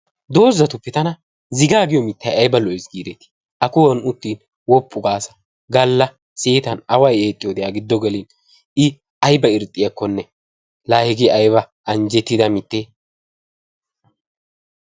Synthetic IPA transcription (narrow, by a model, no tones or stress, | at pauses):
d̪o̞ːzːɐt̪ʊpːɛt̪ɐnɐ | zɪɡaːɡɪjɔmɪt̪ːɐjɐjbɐlɔɪsɡiːd̪ɛt̪i̥ | ʔɐkʊwɐnʊt̪ːiːn | wɔpʰʼːʊɡaːsɐ̥ | ɡɐlːɐ | seːt̪ɐnɐwɐjeːt̪ʼːɪjɔd̪ɛjaːɡɪd̪ːɔɡɛlɪn | ɪ | ɐjbɐɪɾt̪ʼːɪjɐkːɔnːɛ | laːhɪɡɪʔɐjbɐ | ɐnd͡ʒɛt̪ːɪd̪ɐmɪt̪ːeː